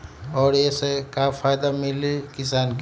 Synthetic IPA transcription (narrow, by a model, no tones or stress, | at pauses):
ɔːɾesekafʰaːjd̪amɪlikɪsaːnk